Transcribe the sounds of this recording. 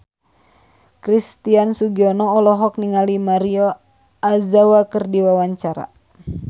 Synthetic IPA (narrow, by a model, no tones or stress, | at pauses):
kɾist̪iansuɡiɔnɔːlɔɦɔk̚niŋalimaɾio | azawakɨrdiwawaɲt͡ʃaɾa̰